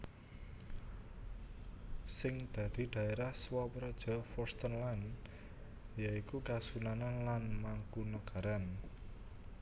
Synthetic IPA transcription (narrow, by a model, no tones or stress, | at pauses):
sɪŋd̪̥ä̤d̪̥i̤d̪̥a̤eɾahswɔpɾɔd̥ʒ̥ɔ̤fɔrst̪ənlan | jaikukasunananlanmaŋkunəɡ̥a̤ɾan